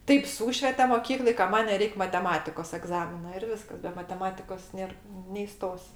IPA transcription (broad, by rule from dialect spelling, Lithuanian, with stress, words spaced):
ˈtɐɪp ˈsuːʃʲʋʲɛtʲɛ moːˈkʲiːklˠoːj kɐ ˈmɐnʲ nʲɛˈrʲɛɪkʲ mɐtʲɛˈmɑːtʲɪkoːs ɛɡˈzɑːmʲɪnɐ ɪr ˈʋʲɪskɐs bʲɛ mɐtʲɛˈmɑːtʲɪkoːs ˈnʲeːr nʲɛiːˈstoːsʲ